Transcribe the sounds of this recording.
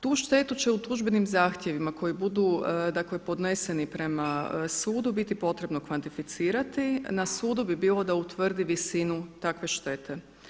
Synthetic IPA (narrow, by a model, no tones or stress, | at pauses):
t̪uːʃt̪e̞t̪ut͡ɕe̞ut̪uʒbe̞nimzaːxt̪je̞ʋimako̞jibud̪ud̪akle̞po̞d̪nese̞nipɾe̞masuːd̪ubit̪ipo̞t̪ɾe̞bno̞kʋant̪ifit̪siːɾat̪inasuːd̪ubibiːlˠo̞d̪aut̪ʋr̩d̪iʋisinut̪akʋe̞ʃt̪e̞t̪ʰe̞